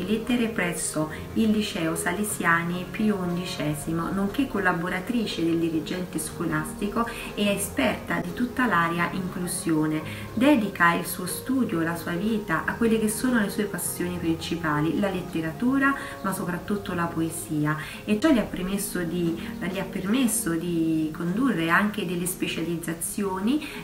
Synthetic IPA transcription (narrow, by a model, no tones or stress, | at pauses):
let̪ːeɾepɾɛsːo | ilːit͡ʃɛːosalesjaːnipuund̪it͡ʃɛːzimonoŋkekːolːaboɾat̪ɾiːt͡ʃed̪eld̪iɾid͡ʒɛnt̪eskolast̪iko | ɛɛespɛrt̪ad̪it̪ut̪ːalaːɾjaʔiŋkluzjoːne | d̪ɛːd̪ikailsuːost̪uːd̪joelasuːaviːt̪aʔakːwelːek̟esːoːnolesuːepasːjoːnipɾint͡ʃipaːlilalet̪ːeɾat̪uːɾa | masopɾat̪ːut̪ːolapoeziːa | et͡ʃːɔlːiapːɾemesːod̪iliapːermesːod̪ikond̪urːeaŋk̟ed̪elːespet͡ʃalid̪zat̪sːjoːni